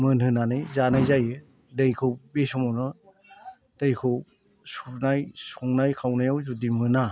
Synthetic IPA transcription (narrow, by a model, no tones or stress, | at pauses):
mɯnhɯnanɯjzanajzajɯ | dejkʰɯwbesɔmɔnɯ | d̥ejkʰɯw | suɾnajsuŋnajkʰawnajawzudimɯna